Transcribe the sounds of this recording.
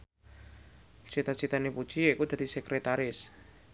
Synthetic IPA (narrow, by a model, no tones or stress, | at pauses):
t͡ʃit̪at͡ʃit̪anepu̥t͡ʃiikud̪̥a̤d̪̥isekɾet̪aɾɪs